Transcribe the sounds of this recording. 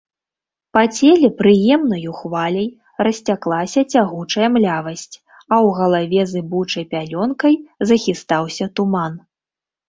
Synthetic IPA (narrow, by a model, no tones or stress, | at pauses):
pɐt͡sʲɛlʲɛpɾɨjɛmnɐjuxvalʲɐj | rɐsʲt͡sʲaklˠasʲɐt͡sʲaɣut͡ʂɐjɐmlʲavɐsʲt͡sʲ | ɐwɣɐlˠavʲɛzɨbut͡ʂɐjpʲalʲɔnkɐjzɐxʲist̪awsʲɐt̪uman